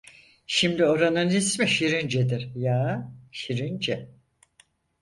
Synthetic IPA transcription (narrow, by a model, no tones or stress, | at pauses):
ʃimd̪io̞ɾanɯnismɛʃiɾind͡ʒed̪iɾjaːʃiɾind͡ʒɛ